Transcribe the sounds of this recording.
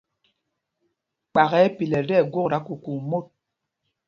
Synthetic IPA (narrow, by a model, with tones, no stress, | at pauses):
k͡pa˨ɣɛ˨˦pi˨lɛ˨dɛ˦˨ɡwo˦˨ɾa˨˦ku˨ku˨mo˦˨t̚